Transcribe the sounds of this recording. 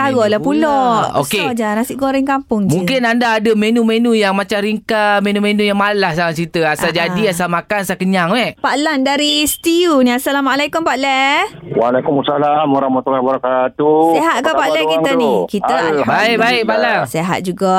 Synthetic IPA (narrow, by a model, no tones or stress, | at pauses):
aɡɔlapulɔo̰ked͡ʒanasiʔkoɾɛŋkampʊŋmd͡ʒũŋkɪnandaːdəmenũmenujaŋmat͡ʃamɾiŋkamenumenũjaŋmalahsaŋat͡ʃit̪əasʔald͡ʒadiasalmakanasakəɲaŋmɛpaʔlandaɾist̪iunĩasalamalakumpaʔlɛwalakumasalamwaɾahmat̪ulahbəɾakat̪useɦat̪̚kapaʔlɛkit̪anikiaalabaikbaɪk̚palɛseɦa̰t̪̚d͡ʒuɡaʔ